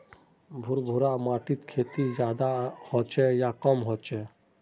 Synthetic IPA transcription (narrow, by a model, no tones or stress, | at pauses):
bʱuɾbʱuɾamaːʈit̪kʰeːt̪id͡ʒjaːd̪ahɔt͡ʃɛjakɔmɦɔt͡ʃɛ